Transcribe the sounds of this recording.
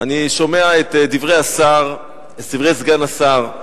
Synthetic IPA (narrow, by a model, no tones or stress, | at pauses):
aniʃo̞me̞aet̪divʁejasaʁ | et̪divʁejsɡanasaʁ